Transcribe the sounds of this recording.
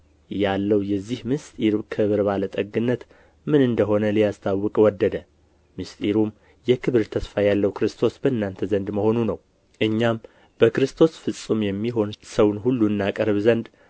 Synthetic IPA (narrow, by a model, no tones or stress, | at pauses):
jalːəwjɛzːihmɨst̪ʼiɾkʰɨβɨɾbalət̪ʼəɡɨnːət̪ | mɨnɨnd̪əɦo̞nəlijast̪ʰawːɨkʼwɔd̪ːəd̪ə | mɨst̪ʼiɾum | jɛkʰɨβɨɾt̪ʰəsfajalːəwkʰɨɾɨst̪ʰo̞sbəɨnːant̪ʰəzənd̪məho̞nunəw | ʔɨɲːam | b̥əkɾɨst̪ʰo̞sfɨsʼumjɛmːiɦo̞nsəwnɦulːuɨnːakʼəɾβzənd̪